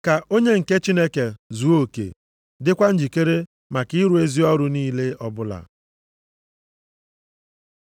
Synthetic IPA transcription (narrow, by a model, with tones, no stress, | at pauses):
ka˨o˦ɲe˦ŋ̩˨ke˦t͡ʃi˦ne˦ke˨zu˨˦o˦˨kḛ˨ | dɪ˦kʷa˦n̩˦d͡ʒi˨ke˦ɾe˦ | ma˨ki˦ɾu˨e˦zi˦ɔ˦ɾʊ˨niː˦le˦ɔ˦bʊ˦la̰˨